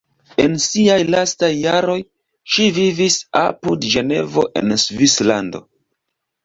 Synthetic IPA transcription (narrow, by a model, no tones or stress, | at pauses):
e̞nsiajlastajːaɾo̞j | ʃivivisa̰pudʒe̞ne̞̰vo̞̰ʔe̞̰nsvislando̞̰